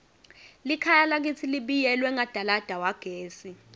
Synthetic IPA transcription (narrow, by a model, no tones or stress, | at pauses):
likʰajalak̬it͡sʰiliɓijɛlwɛŋad̥ʱalad̥ʱawaɡ̥ʱeːsi